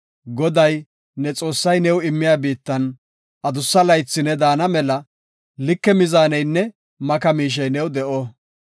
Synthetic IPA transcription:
ɡɔd̪ɐj | nɛt͡sʼo̞ːsːɐjnɛwɪmːɪjaːbiːt̪ːɐn | ʔɐd̪ʊsːɐlɐjt͡sːɪnɛd̪aːnɐmɛlɐ | lɪkːɛmɪzaːnɛjnːɛ | mɐkɐmiːʃ̬ɛjnɛwd̪ɛʔɔ

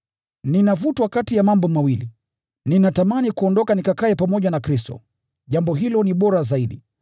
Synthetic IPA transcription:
ninavutwakatijamambɔmawili | ninatamanikuɔndɔkanikakaɛpamɔʄanakɾis̬tɔ̰ | ʄambɔɦilɔniɓɔɾazaiɗi

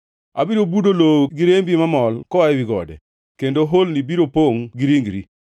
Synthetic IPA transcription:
a̰biɾobudoloɡiɾembimamɔlkɔaɛwiɡɔ̰dɛ̰ | kendoɦolnibiɾopoŋɡiɾiŋɡɾḭ

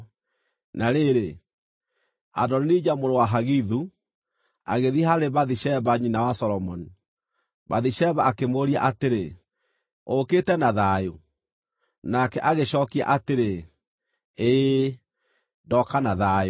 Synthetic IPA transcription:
naɾeɾe | a̰dɔninid͡ʑamoɾowaɦaɣiðu | a̰ɣeðihaɾeβaðiʃɛβaɲinawasɔɾɔmɔni | baðiʃɛβaːkemoɾia̰ʔateɾe | oketɛnaðajo | nakɛʔaɣeʃɔːkia̰ʔateɾe | e | dɔkanaðajo

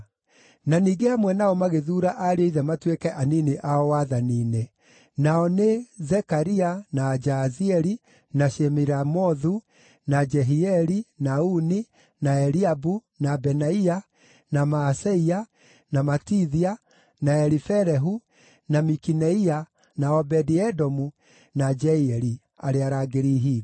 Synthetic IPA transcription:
naniːɡeamwɛnaɔmaɣeðuːɾaʔaɾeeiðɛmatwekɛʔaniniʔaɔwaðaniːne | naɔnezɛkaɾianad͡ʒaziɛɾi | naʃɛmiɾamɔðu | nad͡ʒɛɦiɛɾinauni | naɛɾiabu | nabɛnaia | namaːsɛia | namatiðia | naɛɾifɛɾɛɦu | namikinɛia | naɔbɛdiɛdɔmu | nad͡ʒɛiɛɾi | a̰ɾeaɾaɡeɾiɦi

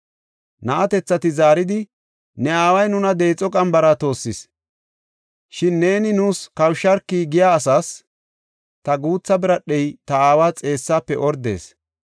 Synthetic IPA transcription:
nɐʔɐt̪ɛt͡sːɐt̪ɪzaːɾɪd̪ɪ | nɛaːwɐjnʊnɐd̪e̞ːt͡sʼɔkʼɐmbɐɾɐt̪o̞ːsːɪs | ʃɪnːe̞ːnɪnuːskɐwʃɐɾkːiːɡɪjaːsaːs | t̪ɐɡuːt͡sːɐbɪɾɐɗːɛjt̪ɐaːwaːt͡sʼe̞ːsːaːpːɛʔɔɾd̪e̞̰ːs

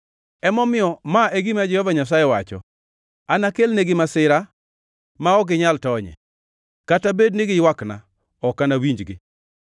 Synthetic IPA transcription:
ɛmɔmɪɔmaeɡimad͡ʒɛhɔvaɲas̬ajɛwat͡ʃɔ̰ | anakelneɡɪmasɪɾa | maɔɡɪɲaltɔɲɛ̰ | katabednɪɡɪjwakna̰ | ɔkanawiɲd͡ʒɡɪ̰

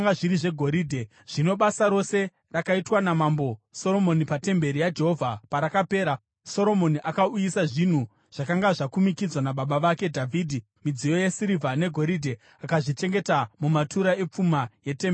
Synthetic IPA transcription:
ŋɡaʐiɾiʐe̞ɡʱo̞ɾiːdʱe̞ | ʐ̥ino̞ɓasaɾo̞se̞ | rakaitwanamambo̞so̞ɾo̞mo̞nipate̞mbe̞ɾijad͡ʒe̞ɦo̞vʱapaɾakape̞ːɾa | so̞ɾo̞mo̞niʔakaujisaʐin̤u | ʐ̥akaŋɡaʐakumikid͡zwanaɓaɓaʋake̞dʱavʱiːdʱi | mid͡zijo̞jesiɾivʱane̞ɡʱo̞ɾidʱe | akaʐit͡ʃe̞ŋɡe̞tamumatuɾae̞p͡fumaje̞tem

